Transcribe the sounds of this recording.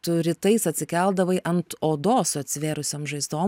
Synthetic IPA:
t̪ʊɾʲɪt̪ɐɪsɐt̪ʲsʲɪkʲɛlˠd̪ɐʋɐɪʔɐnt̪oːd̪oːsɐt̪ʲsʲʋʲeːɾʊsʲoːmʒɐɪzd̪oː

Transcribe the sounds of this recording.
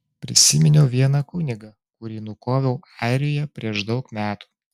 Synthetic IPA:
pʲɾʲɪ̰sʲɪmʲɪnʲoʊʋʲiɛnɐkʊnʲɪɡɐ | kʊɾʲiːnʊkoːʋʲɛʊɑˑɪɾʲoːjɛpʲɾʲiɛʃd̪ɒʊkmʲæːt̪u̥ː

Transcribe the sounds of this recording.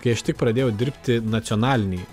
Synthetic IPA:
kɐɪɐʃt̪ʲɪk̚pɾɐd̪ʲeːjɛʊd̪ʲɪɾʲpʲt̪ʲɪnɐt̪sʲɔnɑːlʲɪnʲɛɪ

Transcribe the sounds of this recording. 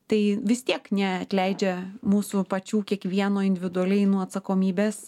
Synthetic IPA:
t̪ɐɪʋʲɪst̪ʲiɛknʲɛɐt̪ʲlʲɛɪd͡ʒʲɛmuːsʊpɐt͡ʃʲuːkʲiɛkʋʲiɛnoːɪnʲd̪ʲɪʋʲɪd̪ʊɐlʲɛɪnuːɐt̪sɐkoːmʲiːbʲeːs

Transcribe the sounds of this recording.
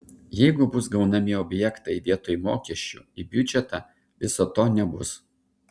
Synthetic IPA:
jɛɪɡʊbʊsɡɐʊnɐmʲɪɔbʲjɛkt̪ɐɪd̪ʲiɛt̪oːjmo̰ːkʲiɛʃʲt͡ʃʲṵːˑibʲjʊd͡ʒʲɛt̪ɑ | ʋʲɪsoːt̪oːnʲɛbʊ̰s

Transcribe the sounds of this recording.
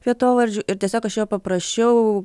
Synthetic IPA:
ʋʲiɛt̪oːʋɐɾʲd͡ʒʲuːʔɪɾt̪ʲɛsʲoːkɐʃjoːpɐpɾɐsʲt͡ʃʲɛʊ

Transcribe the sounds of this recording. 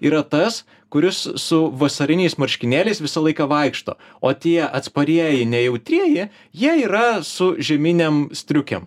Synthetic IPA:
iːɾɐt̪ɐs | kʊɾʲɪssʊʋɐsɐɾʲɪnʲɛɪsmɐɾʲʃʲkʲɪnʲæːlʲɛɪsʋʲɪsɐlˠɐɪkɐʋɐɪkʃt̪o̰ː | oːt̪ʲiɛʔɐt̪spɐɾʲiɛjɪnʲɛjɛʊt̪ʲɾʲiɛjɪ | jiɛiːɾɐsʊʒʲɛmʲinʲemsʲt̪ʲɾʲʊkʲɛ̰m

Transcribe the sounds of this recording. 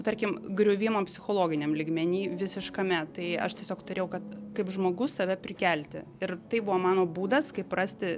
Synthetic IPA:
t̪ɐɾʲkʲɪmɡɾʲʊʋʲɪmopʲsʲɪxoːlˠoːɡʲɪnʲɛmlʲiːɡmʲɛnʲiːʋʲɪsʲɪʃkɐmʲɛt̪ɐɪɐ̰ʃtʲiɛsʲoːkt̪ʊɾʲeːjɛʊkɐt̪kɐɪpʒmoːɡʊssɐʋʲɛpʲɾʲɪkʲælʲt̪ʲɪɪrt̪ɐɪbʊʋoːmɑːnoːbuːd̪ɐskɐɪprɐsʲt̪ʲɪ

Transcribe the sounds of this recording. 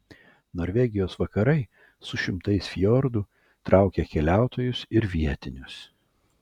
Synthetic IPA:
noːɾʲʋʲɛɡʲɪjoːsʋɐkɐɾɐɪ | sʊʃʲɪmt̪ɐɪsfʲjɔɾd̪ʊ | t̪ɾʔɑˑʊkʲɛkʲɛlʲæˑʊt̪oːjʊsɪɾʋʲiɛt̪ʲɪnʲʊs

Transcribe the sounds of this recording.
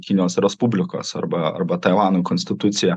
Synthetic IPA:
kʲɪnʲɪjoːsɾʲɛspubʲlʲɪko̰ːsɐ̰ɾbɐɐ̰ɾbɐt̪ɐɪʋɑːnuːkonʲsʲt̪ʲɪt̪ʊt̪sʲɪjɛ

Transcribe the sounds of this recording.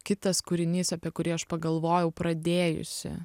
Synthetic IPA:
kʲɪt̪ɐskʊɾʲɪnʲiːsɐpʲiɛkʊɾʲiːɐʃpɐɡɐlˠʋoːjɛʊpɾɐd̪ʲeːjʊ̰sʲɪ̰

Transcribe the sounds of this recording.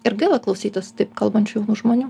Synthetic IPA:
ɪɾɡʲælˠɐklˠɐʊsʲiːt̪ɐst̪ɐɪpkɐlˠbɐnʲt͡ʃʲujʒmoːnʲuː

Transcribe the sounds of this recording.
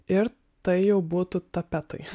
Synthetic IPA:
ɪɾ | t̪ɐɪjɛʊbuːt̪ʊt̪ɐpʲæt̪ɐɪ

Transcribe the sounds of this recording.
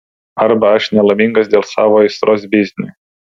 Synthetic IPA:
ɐɾbɐɐʃnʲɛlˠɐmʲɪŋɡɐsd̪ʲeːlˠsɑːʋoɪst̪ɾʔoːsbʲɪzʲnʲʊ̰

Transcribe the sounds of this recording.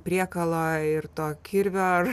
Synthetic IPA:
pʲɾʲiɛkɐlˠoːɪɾt̪oːkʲʰɪɾʲʋʲoː

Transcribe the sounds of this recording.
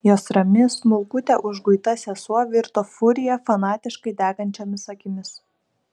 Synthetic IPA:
joːsɾɐmʲɪsnʊlˠkʊt̪ʲɛʔʊʒɡʊɪt̪ɐsʲɛsuɔʋʲɪɾt̪ofʊɾʲɪjɛfɐnɑːt̪ʲɪʃkɐɪd̪ʲæːɡɐnʲt͡ʃʲɛmʲɪsɐkʲɪmʲɪs

